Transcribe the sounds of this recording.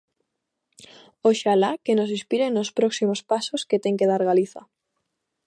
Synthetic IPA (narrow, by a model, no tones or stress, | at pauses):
oʃalakenosispiɾenospɾoksimospasosket̪e̞ŋkeð̞aɾɣaliθa̰